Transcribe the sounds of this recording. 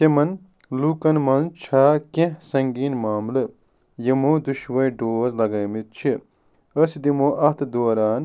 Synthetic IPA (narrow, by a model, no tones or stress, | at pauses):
t̪emɐn | lukɐnmɐnt͡ʃʰaːkẽsɐŋɡiːnmaːmlɐ | jemod̪uʃwɐjɖoːzlɐɡɐːmit̪̚t͡ʃʰi | ɐsid̪imoʔɐt̪ʰd̪oːɾaːn